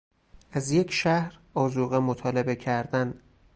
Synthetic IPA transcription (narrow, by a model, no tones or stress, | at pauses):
æzje̞cʰʃæhɾɒːzuːɣemot̪ʰɒːle̞be̞cʰæɾd̪æn